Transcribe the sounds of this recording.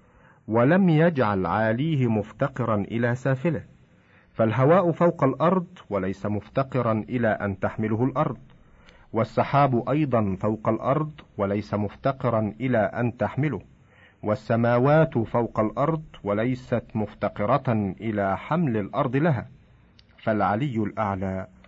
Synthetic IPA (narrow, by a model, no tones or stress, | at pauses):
walamjad͡ʒʕalʕaːliːhɪmʊft̪ɑqɨɾˤɑnʔɪlaːsaːfɪlɪh | falɦawaːʔʊfawqɑlʔɑɾˤd̪ˤwalajsamʊft̪ɑqɨɾˤɑnʔɪlaːʔa̰nt̪aħmɪlʊhʊlʔɑɾˤd̪ˤ | wasˤːɑħaːbʔɑjd̪ˤɑnfawqɑlʔɑɾˤd̪ˤwalajsamʊft̪ɑqɨɾˤɑnʔɪlaːʔant̪aħmɪlʊh | wasːamaːwaːt̪fawqɑlʔɑɾˤd̪ˤwalajsat̪mʊft̪ɑqɨɾˤɑʔɪlaːħamlalʔɑɾˤd̪ˤɨlaɦaː | falʕalɪjːʊlʔaʕlaː